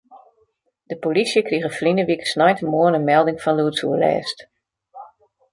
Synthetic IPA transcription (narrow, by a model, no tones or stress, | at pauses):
d̥əpolisjəkriɣəflinəʋikəsnɔjtʰəmoənənmɛlˠdɪŋfɔnluətsuəlɛ̰ːst